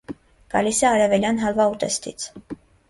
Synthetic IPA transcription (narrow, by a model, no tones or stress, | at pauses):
ɡ̥ɑ̰lisɛɑɾɛvɛljɑnɦɑlvɑut̪ɛ̰st̪ʰḭt͡sʰ